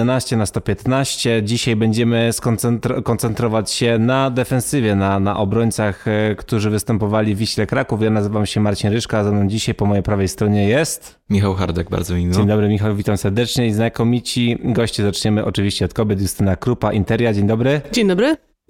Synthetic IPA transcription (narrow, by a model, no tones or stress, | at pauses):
naɕt͡ɕɛnast̪ɔpʲjɛt̪naɕt͡ɕɛd͡ʑiɕajbɛɲd͡ʑɛmɘskɔnt̪sɛnt̪ɾɔkɔnt̪sɛnt̪ɾɔvat͡ɕɕɛnad̪ɛfɛnsɘvʲjɛnanaʔɔbɾɔɲʲt̪saxkt̪uʐɘvɘst̪ɛmpɔvalʲivʲiɕlɛkɾakufjanazɘvamɕɛmaɾt͡ɕinɾɘʂkazanamd͡ʑiɕajpɔmɔjejpɾavɛjst̪ɾɔɲɛjɛst̪ | mʲixawxa̰ɾd̪ɛɡ̚ba̰ɾd̪zɔmʲid͡ʑeɲd̪ɔbɾɘmʲixawvʲit̪amsɛɾd̪ɛt͡ʂɲɛiznakɔmʲit͡ɕiɡɔɕt͡ɕizat͡ʂɲɛmɘʔɔt͡ʂɘvʲiɕt͡ɕɛɔt̪kɔbʲjɛt̪̬ʲjust̪ɘnakɾupaʔint̪ɛɾʲjad͡ʑeɲd̪ɔbɾɘd͡ʑeɲd̪ɔbɾɘ